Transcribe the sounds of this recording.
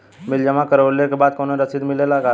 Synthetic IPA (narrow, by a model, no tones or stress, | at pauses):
mɪld͡ʒəmãkəɾolekebaːd̪̚koneɾəsid̪mɪlelaka